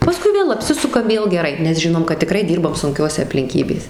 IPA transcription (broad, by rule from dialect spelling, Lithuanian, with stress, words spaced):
pɐˈskʊɪ ˈʋʲeːlˠ ɐpʲˈsʲɪsʊkɐm ˈʋʲeːlˠ ɡʲɛˈrɐɪ nʲɛs ˈʒʲɪnoːm kɐt tʲɪˈkrɐɪ ˈdʲiːrbɐm sʊŋʲˈkʲoːsʲɛ ɐpʲlʲɪŋʲˈkʲiːbʲeːs